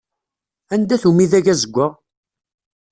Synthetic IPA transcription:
ænd̪æθumiðæʝæzəɡʷːə

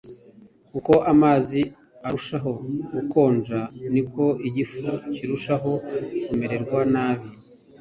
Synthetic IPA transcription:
kuko̞ʔamaːzi | aɾuʃaɦo̞ɡuko̞ːnd͡ʒaniko̞iɟifuciɾuʃaɦo̞kume̞ɾe̞ɾɡwanaːβi

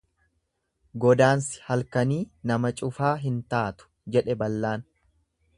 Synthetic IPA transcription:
ɡɔd̪aːnsɪ̥hɐlkɐniːnɐmɐt͡ʃʼʊfaːɦɪnt̪aːt̪ʊ̥d͡ʒɛᶑɛbɐlːaːn

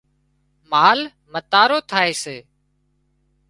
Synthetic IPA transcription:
maːl | mət̪aːɾoːt̪ʰaːeːseː

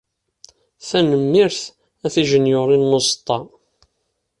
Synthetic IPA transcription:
θænəmːɪɾθ | æθiʒənjoɾˤinːost̪ˤːɑ

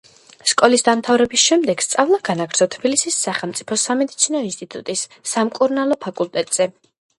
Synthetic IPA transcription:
skʼɔlisd̪amt̪ʰavɾɛbisʃɛmd̪ɛɡ̥st̪sʼavlˠaɡanaɡɾd̪ɔt̪ʰbilisisːaχɛlˠmt̪sʼipʰɔsamɛd̪it̪sʰinɔinst̪ʼit̪ʼut̪ʼisːamkʼuɾnalˠɔpʰakʼulˠt̪ʼɛt̪ʼz̥ɛ

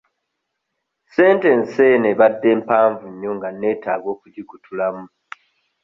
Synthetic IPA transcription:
se̞ːnte̞nse̞ːneβadːe̞ːmpaːɱvuɲːo̞ŋɡanːe̞ːtaːɡo̞ːkuɟiɡutʰulamu

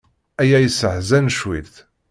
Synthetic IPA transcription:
æjæjəsəʕzænʃwḭlθ

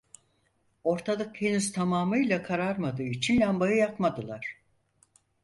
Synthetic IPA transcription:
o̞ɾt̪ʰalˠɯk̚cʰenizt̪ʰamaːmɯjlʲˠakʰaɾaɾmad̪ɯːit͡ʃʰinlʲambajɯjakmad̪ɯlˠaɾ̥

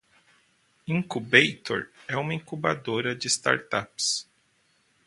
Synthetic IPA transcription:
ĩŋkubejt̪o̰ɾɛũmɐĩŋkuba̰d̪oɾɐd͡ʒɪst̪a̰ɾt̪aps

